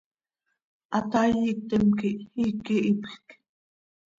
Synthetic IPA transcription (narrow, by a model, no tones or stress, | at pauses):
at̪ajik̚t̪ɛmkiʔikiʔipxk